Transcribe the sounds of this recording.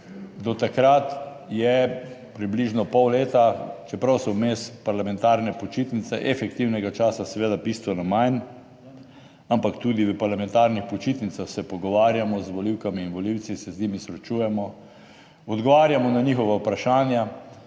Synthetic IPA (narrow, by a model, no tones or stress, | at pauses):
d̪ɔt̪akɾat̪ | jɛpɾibliʒnɔpɔwleːt̪at͡ʃɛpɾawsɔwmeːspaɾlamɛnt̪aːɾnɛpɔt͡ʃit̪nit̪sɛʔɛfɛkt̪iwnɛɡat͡ʃaːsasɛʋeːd̪abist̪ʋɛnɔmajn | ampakt̪uːd̪iʋəpaɾlamɛ̃nt̪aɾnixpɔt͡ʃit̪nit̪saxsɛpɔɡɔʋaːɾjamɔzʋɔliwkamiːnʋɔliwt̪sisɛziːmisɾɛt͡ʃuːjɛmɔ | ɔd̪ɡɔʋaːɾjamɔnaɲiːxɔʋawpɾaʃaːnja